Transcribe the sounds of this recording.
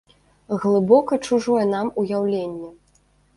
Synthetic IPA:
ɣlˠɨbɔkɐt͡ʂuʐɔjɛn̪amujawlʲenʲːɛ

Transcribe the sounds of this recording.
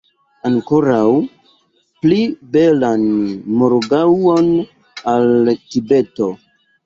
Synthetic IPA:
aŋkoɾaw | plibe̞lanmoɾɡawo̞n | altibe̞to̞

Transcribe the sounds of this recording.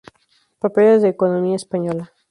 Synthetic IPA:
papelezðeːkonomiaespaɲola

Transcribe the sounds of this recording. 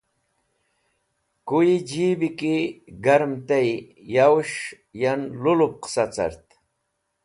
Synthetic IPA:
kuid͡ʑibikiɡɐɾmt̪ej | jawʂ | janlulup̚qsat͡sa̰ɾt̪

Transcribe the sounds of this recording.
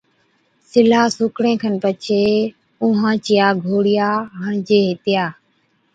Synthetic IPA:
sɪlaːsʊkɽẽːkʰənpət͡ʃʰeː | ʊɦãːt͡ʃɪjaːɡʱoːɽɪjaːɦãːd͡ʒeːɦɪt̪ɪjaː

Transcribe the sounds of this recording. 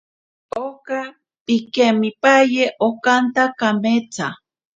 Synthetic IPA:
oka | pikemipajeʔokant̪akamet͡sʰa

